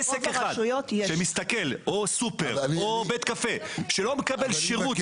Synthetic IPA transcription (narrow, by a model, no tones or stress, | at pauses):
esekeχadʃujot̪jeʃemist̪akelosupeʁobet̪kafeʃelomekabelʃeʁut